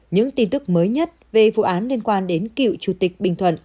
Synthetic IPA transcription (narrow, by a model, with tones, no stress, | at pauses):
ɲɨ̰˧˥ŋt̪i˧nt̪ɨ˦˥k̚məː˨˦jɲə˦˥t̚ve˨˩vṵ˧˨ʔaː˨˦nli˧ənkwaː˧nɗe˨˦nkḭ˧˨wt͡ɕu˧˩t̪i˨˩k̟̚ɓï˨˩ŋ̟t̪ʰwə̰˧˨nʔ